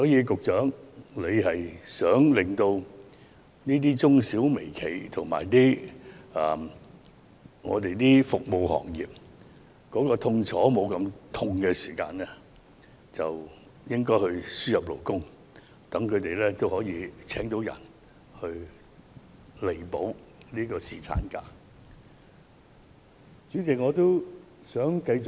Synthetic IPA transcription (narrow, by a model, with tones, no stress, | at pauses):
sɔː˨˥jiː˨˧kʊ˨k̚t͡ʃœː˨˥ŋle˨˧jɦɐ˨jsœː˨˥ŋlɪ˨ŋt̪o˧w | niː˥t̪̬iː˥t͡sʊ˥ŋsiː˨˥wme˨˩jkʰe˨˩jt̪ʰʊ˨˩ŋma̰ː˨˩jt̪iː˥ | ɐː˨˩ | ŋɔ̰ː˨˧t̪e˨jt̪iː˥fʊ˨k̚mo˨˧whɔ̰ː˨˩ŋjiː˨p̚ | kɔː˨˥kɔː˧t̪ʰʊ˧ŋt͡sʰɔː˨˥mo˨˧wkɐ˧mt̪ʰʊ˧ŋkɛ˧siː˨˩ka̰ː˧nɛː˥ | t͡sɐ˨w | jɪ˥ŋkɔː˥jhɵ˧ɥsyː˥jɐ˨p̚lo˨˩wkʊ˥ŋ | t̪ɐ˨˥ŋkʰɵ˨˧t̪e˨˩jlɛː˥t̪o˥whɔː˨˥jiː˨˧t͡sʰɛː˨˥ŋt̪o˨˥wjɐ̰˨˩n | hɵ˧ɥ | le˨˩jpo˨˥wliː˥kɔː˧siː˨t͡sʰa̰ː˨˥nka̰ː˧ | t͡ʃy˨˥t͡sɪ˨k̚ŋɔː˨˧t̪o˥w | sœː˨˥ŋkɐ˧jt͡sʊ˨